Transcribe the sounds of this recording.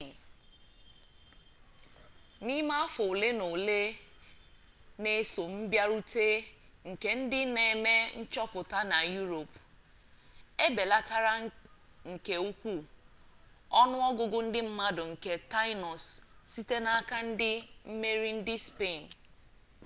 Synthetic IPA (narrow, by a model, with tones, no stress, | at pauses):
ni˦ma˦fʊ˨le˦no˨le˦ | ne˨˦so˨m̩˦bja˦ɾu˦te˦ŋ̩˨ke˦n̩˦dɪ˦ne˨me˦n̩˦t͡ʃɔ˦pʊ˨ta˦na˨ju˦ɾo˨p | e˦be˨la˦ta˦ɾa˦ | ŋ̩˨ke˨u˦kʷu˦ | ɔ˦nʊ˦ɔ˦ɡʊ˨ɡʊ˦n̩˦dɪ˦m̩˦ma˦dʊ˨ŋ̩˨ke˦ta˦ɪ˦nɔ˨ssi˦te˦na˦ka˦n̩˦dɪ˦m̩˦me˦ɾi˦n̩˦dɪ˦spe˦˨n